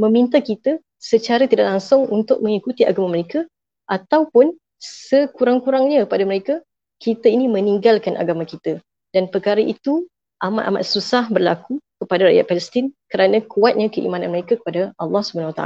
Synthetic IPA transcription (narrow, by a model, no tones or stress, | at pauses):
mə̃mint̪akit̪a | sət͡ʃaɾat̪idaʔlaŋsʊŋunt̪ʊk̚mə̃ŋikut̪iaɡamaməɾeka | ʔat̪awpʊn | səkuɾaŋkuɾaŋɲãəpadaməɾeka | kit̪ainimə̃niŋɡalkanʔa̰ɡamãkit̪a | danpərkaɾaʔit̪u | ʔamat̪ama̰t̪̚susahbərlakukəpadaɾaʔja̰t̪̚fɛləst̪ɪnkəɾanãkuat̪̚ɲakəʔḭmãnãnməɾekakə̥padaɑlːɑhsubəanawat̪a̰a̰